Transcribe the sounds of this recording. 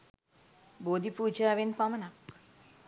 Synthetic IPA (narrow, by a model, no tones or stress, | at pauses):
boːd̪ipuːd͡ʒaːʋenpaməna